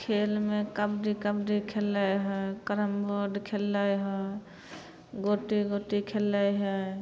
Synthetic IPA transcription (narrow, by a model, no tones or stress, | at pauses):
kʰelmekəbɖikəbɖikʰelːajɦəjkəɾəmboɖkʰelːajɦɔj | ɡoʈiɡoʈikʰelajɦəj